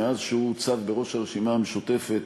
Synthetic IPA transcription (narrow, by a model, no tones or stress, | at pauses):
eazʃeut͡savbe̞ʁo̞ʃaʁeʃimameʃut̪e̞fe̞t̪